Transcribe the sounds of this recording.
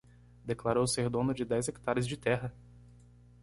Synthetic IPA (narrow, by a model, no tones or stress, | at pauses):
d̪eklaɾowseɾd̪õnʊd͡ʒɪd̪ɛjzekt̪aɾɪzd͡ʒɪt̪ɛɦɐ